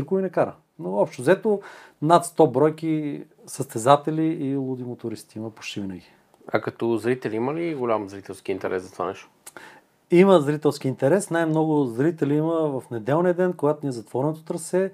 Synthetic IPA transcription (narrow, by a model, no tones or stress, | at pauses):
iɾkʊvinɛkaɾə̰ | noɔpʃt̪ozɛt̪onat̪st̪ɔbɾɔjki | səst̪ɛzat̪ɛliːlˠʊd̪imot̪ʊɾist̪iiməpo̥t͡ʃt̪ivinəɡʲi | a̰kɐt̪ɔzɾit̪ɛliməliɡolʲamzɾit̪ɛlˠsk̟int̪ɛɾʔɛsɐt̪o̥va̰nɛʃt̪o̥ | iməzɾit̪ɛlˠsk̟iːnt̪ɛɾɛsnajmnɔɡʊzɾit̪ɛliiməvɐfnɛd̪ɛlˠniɛd̪ɛnkoɡat̪onʲiɛzɐt̪vɔɾɛnot̪ot̪ɾɐsɛ